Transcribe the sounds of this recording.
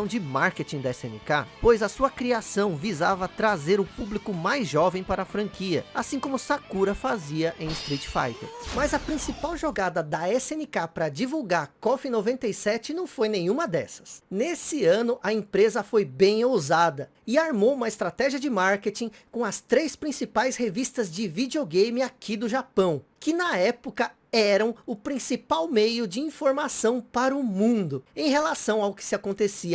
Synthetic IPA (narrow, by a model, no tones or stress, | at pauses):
ɐ̃w̃d͡ʒɪmaɾket͡ʃĩd̪ɐɛsḛ̃nɪ̰ka̰pojzɐsuɐkɾiasɐ̃w̃vizavɐt̪ɾazeɾʊpublikʊmajzʒɔvẽj̃paɾɐːfɾɐ̃ŋkiɐ̰asĩkõmʊsakuɾɐfaziɐʔẽj̃ɪst̪ɾit͡ʃfa̰jt̪ḛɾmɐzɐpɾĩsipawʒoɡad̪ɐd̪ɐɛsẽnɪkapɾɐd͡ʒivuwɡaɾkɔfɪnovẽnt̪ejsɛt͡ʃɪnɐ̃w̃fojnẽj̃ũmɐd̪ɛsɐ̥snesɪɐ̃nʊʔɐẽpɾezɐfojbẽj̃ozad̪ɐ | ɪaɾmowũmɐɪst̪ɾat̪ɛʒiɐd͡ʒɪmaɾket͡ʃĩ | kõɐst̪ɾejspɾĩsipajshevist̪ɐzd͡ʒɪvid͡ʒioɡejmɪakʰid̪ʊʒapɐ̃w̃kɪnɐɛpʊkɐ | ɛɾɐ̃w̃ʊpɾĩsipawmejʊd͡ʒɪĩfoɾmasɐ̃w̃paɾɐʊmũnd̪ʊẽj̃ɦelasɐ̃w̃awkɪ̥sɪakõnt̪esiɐ